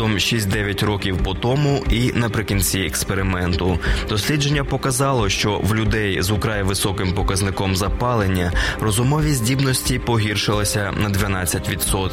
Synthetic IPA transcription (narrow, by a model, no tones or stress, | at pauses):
ɔmʃisʲtʲd̪ɛʋʲjɐtʲrɔkʲiwpɔt̪ɔmʊʔinɐpɾɪkʲinʲt͡sʲiɛkspeɾɪmɛnt̪ʊd̪̥ɔsʲlʲid͡ʒenʲːɐpɔkɐzɑlˠɔʃt͡ʃɔwlʲʊd̪ɛjzʊkɾɑjʋɪsɔkɪmpɔkɐznɪkɔmzɐpɑlˠenʲːɐɾɔzʊmɔʋʲizʲdʲibnɔsʲtʲipɔɦʲirʃɪlˠɐsʲɐnɐd̪ʲʋɐnɑt͡sʲːɐtʲʋʲit̪sɔt̪